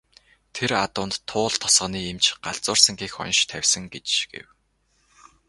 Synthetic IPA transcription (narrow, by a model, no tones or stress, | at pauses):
t̪ʰeɾat̪ʊːnt̪ʰːʊːɮt̪ʰɔ̥sʁə̆niːemt͡ɕɢaɮt͡sʊːrsə̆ŋɡiːxɔ̰nʃt̪ʰæwʲsə̆ŋɡet͡ɕɡ̥ḛw